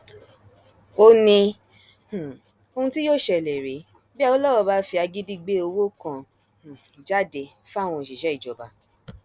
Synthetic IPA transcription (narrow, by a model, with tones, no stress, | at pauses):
o˧nĩ˧ | h̩˨ | o˧hũ˧ti˦joː˦˨ʃɛ˧˨lɛ˨ɾe˨˦ | bi˦˧wɔ˦lɔ˦wɔ˨˧ba˧˦fi˧a˧ɡi˦di˦˧ɡ͡be˦o˧wo˦kã˧˨ | d͡ʒa˦de˧ | fw̃ɔ̃˧˨ʃi˨ʃɛ˨˦i˦˨d͡ʒɔ˨ba˨